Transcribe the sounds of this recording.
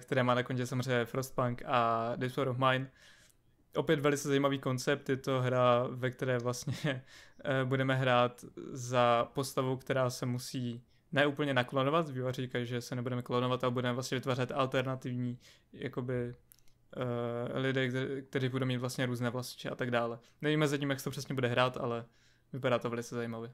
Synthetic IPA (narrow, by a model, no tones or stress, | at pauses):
kt̪ɛɾɛːmaːnakoncɛsamorɛɲɛfɾost̪̚paŋkadɪsfoɾofmajn | ʔo̞pjɛt̪vɛlɪt͡sɛzajiːmaviːko̞nt͡sɛp̚t̪jɛt̪o̞ɦɾavɛkt̪ɛɾɛːvlast̪ɲɛ | budɛmɛɦɾaːt̪zapo̞st̪avowkt̪ɛɾaːsɛmusiː | nɛːʔuːpl̩ɲɛnaklonovat̪joariːkajʒɛsɛnɛbudɛmɛklonovat̪ʔalɛbudɛmɛvlast̪ɲɛvɪt̪vaːr̝ɛt̪alt̪ɛɾnat̪ɪvɲiː | ja̰ko̞bɪ | lɪdɛːk̚t̪ɛɾiːbudowmiːt̪vlast̪ɲɛɾuːznɛːvlasɪ̥t͡ʃɛʔat̪aɡdaːlɛ | nɛviːmɛzaciːmjakst̪opr̝̥ɛsɲɛbudɛɦɾaːt̪a̰lɛ | vɪpaɾaːt̪ovɛlɪt͡sɛzajimavjɛ